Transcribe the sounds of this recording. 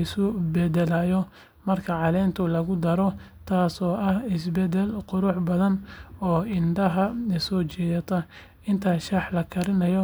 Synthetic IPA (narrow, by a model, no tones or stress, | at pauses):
ɪsʊbɛd̪ɛlaːjɔ | mɐrkʰɐʕɑlɛːnt̪ʰʊlɐɣʊd̪ɐɾɔ | t̪ʰaːsɔːʔɐhɪsbɛd̪ɛlqʊɾʊħbɐðɐnɔːɪnɖɐɦɐsɔːt͡ʃɛːðɐt̪ʰɐ | ɪnt̪ʰaːʃɐħlɐkʰɐɾɪnɐjɔ